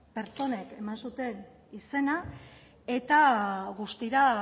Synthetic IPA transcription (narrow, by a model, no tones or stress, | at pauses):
pe̞ɾt͡so̞ne̞ke̞mansut̪e̞n | ise̞na | e̞t̪aɣust̪iɾa